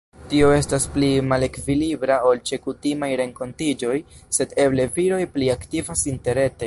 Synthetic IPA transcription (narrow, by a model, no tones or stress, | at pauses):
tio̞e̞stasplimale̞kvilibɾao̞lt͡ʃe̞kutimajɾe̞ŋko̞ntid͡ʒo̞jse̞de̞ble̞viɾo̞jpliaktivasinte̞ɾe̞te̞